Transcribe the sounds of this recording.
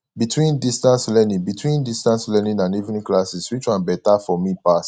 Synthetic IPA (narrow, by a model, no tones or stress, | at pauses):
bitʰwĩndistãnslɛnĩŋbitwĩndistãnslɛnĩnãnivnĩklasiswit͡ʃãbɛtafɔmipas